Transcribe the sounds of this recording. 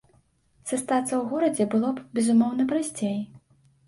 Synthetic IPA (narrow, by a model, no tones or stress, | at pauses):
sɐst̪at̪sɐwɣuɾɐd͡zʲɛbɨlˠɔbʲɛzumɔwnɐpɾasʲt͡sʲej